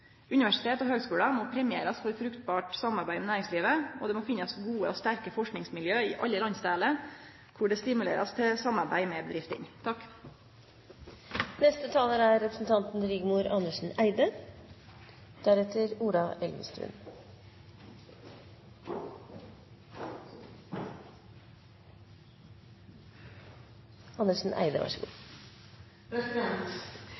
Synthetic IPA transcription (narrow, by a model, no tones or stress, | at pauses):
ʉnɪʋæʂɪ̥t̪ʰeːt̪ɔɦøːɡskʉːɽɑmɔːpʰɾɛmɪḛːɾɑsfɔɾt̪fɾʉkt̪bɑːʈsɑmɑɾbæɪmɛnæːɾɪŋsliːʋəɔ̰d̪ɛmoːfɪnːɑsɡuːə̰ɔst̪æɾkəfɔʂknɪŋsmɪljøːɪʔɑ̰lːəlɑnst̪æːlə | kʰʊɖɛst̪ɪmʉlḛːɾʔɑ̰st̪ʰɛsɑmɑɾbæ̰ɪmɛbəd̪ɾɪft̪ə̰nt̪ʰɑkː | nɛst̪ət̪ʰɑːləɾæɾɾɛpɾəsn̩t̪ʰɑnt̪n̩ɾɪɡmuːɾɑnəʂɳ̩æɪd̪ə | d̪̥æɾɛt̪əɾuːɾɑʔɛlʋə̰st̪ɾʉ̰ːn | ɑnəʂn̩ʔæ̰ɪd̪ə̰ʋɑ̰ʂəɡṵː